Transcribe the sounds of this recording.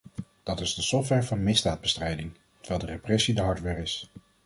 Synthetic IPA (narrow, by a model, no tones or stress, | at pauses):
d̥ɑtɪzdəsɔftʋɛɹvɑnmɪzdaːd̚bəstrɛjdɪŋ | tə̥ʋɛjlˠdəreprɛsidəɦɑɹtʋɛɹɪs